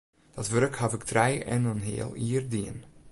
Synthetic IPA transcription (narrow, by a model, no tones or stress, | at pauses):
d̥ɑtʋøɾkhɑvɪktrɛjɛ̰nənɦḛːəlˠiːrdiən